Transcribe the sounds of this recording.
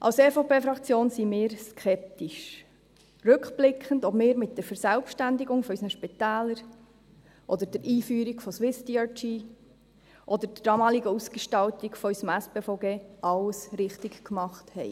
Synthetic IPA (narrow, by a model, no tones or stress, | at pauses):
ʔɑ̰lseːfopeːfɾɑkt͡sjoːnsimɪːɾskχɛp̚tiʃ | rɵkb̥lɪkχəndɔbmɪːɾmɪt̚d̥ɛɾfəɾsælpʃtændɪɡʊŋfɔœysənəʃpit̪æːləɾ | ʔɔd̪əɾd̥ɛɾʔiːfyːɾiɡfɔswɪstiɑtiː | ʔɔd̪əɾd̥d̥ɑːmɑːliɡəusɡ̥əʃtɑltiɡfɔœysəmæspeːfɔʊɡeːʔɑləsɾɪχtɪkkmɑχthɛɪ